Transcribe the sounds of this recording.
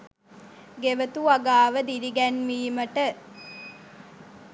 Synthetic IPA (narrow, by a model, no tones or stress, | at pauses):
ɡeʋət̪uaɡaːʋəd̪iɾiɡɛnʋiːməʈə